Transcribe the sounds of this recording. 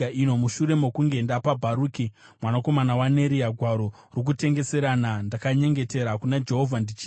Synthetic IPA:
aino̞muʃuɾe̞mo̞kuŋɡe̞ndapabʱaɾuːki | mwanako̞manawane̞ɾiaɡʱwaɾo̞ | rok̬ute̞ŋɡe̞se̞ɾanandakaɲe̞ŋɡe̞te̞ɾakunad͡ʒe̞ɦo̞vʱandit͡ʃi

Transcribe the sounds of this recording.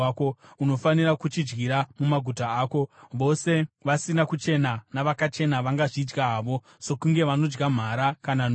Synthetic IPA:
kouno̞fanirakut͡ʃid͡ʒɡiɾamumaɡʱutaːko̞ʋo̞se̞ʋasinakut͡ʃe̞nanaʋakat͡ʃe̞naʋaŋɡaʐid͡ʒɡaɦaːʋo̞ | se̞kuŋɡe̞ʋano̞d͡ʒɡam̤aɾakanan

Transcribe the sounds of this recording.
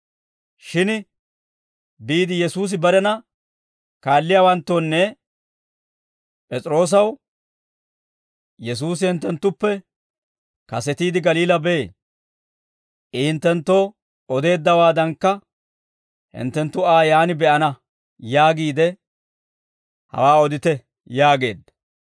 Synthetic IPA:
ʃɪn | biːd̪ɪjɛsuːs̬ɪbɐɾɛnɐ | kaːlːɪjaːwɐnt̪ːoːnːɛ | pʼɛt͡sʼɾo̞ːs̬ɐw | jɛs̬uːs̬ɪhɪnt̪ːɛnt̪ːʊpːɛ | kɐsɛt̪iːd̪ɪɡɐliːlɐbe̞ː | ɪɪnt̪ːɛnt̪ːoː | ɔd̪e̞ːd̪ːɐwaːd̪ɐŋkːɐ | hɪ̰nt̪ːɛnt̪ːʊaːjaːnɪbɛʔɐnɐ | jaːɡiːd̪ɛ | hɐ̰waːɔd̪ɪt̪ɛ | jaːɡe̞̰ːd̪ɐ

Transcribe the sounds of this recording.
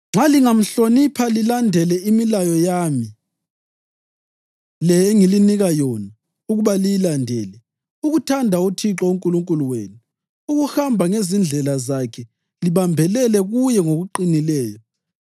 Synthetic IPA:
ŋ͡ǁaliŋam̩ɬonipʰalilandʱɛlɛimilajɔjami | lɛeŋiliniɣajɔna | uɣuβalijilandʱɛːlɛ | uɣutʰandʱautʰiǁɔuŋkʼuluŋkʼuluwḛːnu | uɣuxambʱaŋezind͡ɮʱɛlazakʰɛ | liβambʱɛlɛlɛɣujɛŋoɣuǃinilɛːjɔ

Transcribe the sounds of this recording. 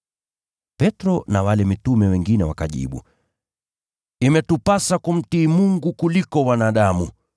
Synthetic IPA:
pɛtɾɔnawalɛmitumɛwɛŋɡinɛwakaʄḭɓṵ | imɛtupasakum̩tiːmuŋɡukulikɔwanaːɗamu

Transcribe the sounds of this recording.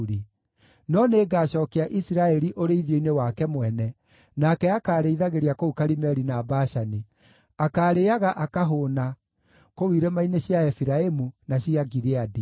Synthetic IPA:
ɾi | nɔneːɡaːɕɔːkɛaʔisiɾaɛɾiʔoɾeiðjoinewakɛmwɛnɛ | nakɛakaːɾeiðaɣeɾiakoukaɾimɛɾinaːbaʃani | akaːɾeaɣaʔakaɦona | kowiɾemaineɕjaɛfiɾaemunaɕiaɡiɾeadi

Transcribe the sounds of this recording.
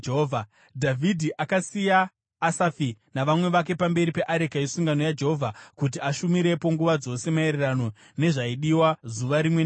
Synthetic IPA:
vʱa | dʱavʱidʱiʔakasijaː | safinaʋamwe̞ʋak̬e̞pambe̞ɾipe̞ʔaɾekaisuŋɡano̞jad͡ʒeɦovʱakut̬iaʃumiɾe̞po̞ŋɡuʋad͡zo̞se̞mae̞ɾerano̞ | ne̞ʐaiɗiwazuʋaɾimwen

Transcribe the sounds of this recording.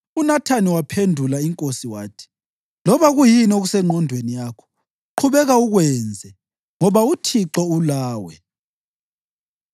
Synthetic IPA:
unatʰaniwapʰendʱulaiŋkʼosiwaːtʰi̥ | lɔβaɣujinɔoɣusɛŋ͡ǃʱɔndʱwenijaːkʰɔ̥ | ǃʰuβɛɣauɣwɛnd͡zʱɛ | ŋɔβautʰiǁɔulaːwɛ

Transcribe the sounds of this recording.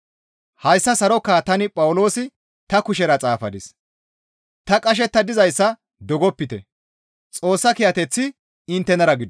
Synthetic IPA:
hɐjsːɐsɐɾɔkːaːt̪ɐnɪpʼɐwʊlo̞ːsɪ | t̪ɐkʊʃɛɾɐt͡sʼaːfɐd̪ɪs | t̪ɐkʼɐʃ̬ɛt̪ːɐd̪ɪzɐjsːɐ | d̪ɔɡɔpːɪt̪ɛ̰ | t͡sʼo̞ːsːɐkɪjɐt̪ɛt͡sːɪ | ɪnt̪ːɛnɐɾɐɡɪd̪

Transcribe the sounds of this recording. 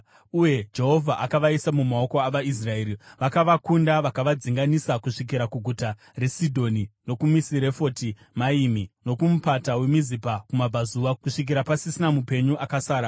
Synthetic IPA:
uje̞d͡ʒe̞ɦo̞vʱaʔakaʋaisamumao̞ko̞aʋais̬rae̞ːɾiʋakaʋakundaʋakaʋad͡ziŋɡanisakuʂik̬iɾakuɡʱuta | re̞sidʱo̞nino̞kumisiɾe̞fo̞ti | maimino̞kumupatawemizipakumabʱazuwakuʂik̬iɾapasisinamupe̞ɲuʔakasaːɾa

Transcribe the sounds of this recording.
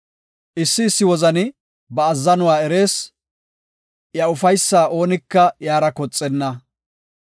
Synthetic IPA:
ʔɪsːɪːsːɪwɔzɐnɪ | bɐːzːɐnʊwaːɛɾe̞ːs | jɐʊfɐjsːaːʔo̞ːnɪkːɐjaːɾɐkɔt͡sʼːɛnːɐ

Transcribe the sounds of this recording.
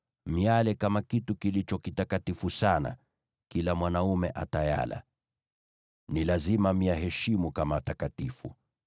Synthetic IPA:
mialɛkamakitukilit͡ʃɔkitakatifusana̰ | kilamwanaumɛʔataja̰la̰ | nilazimamiaɦɛʃimukamatakatifṵ

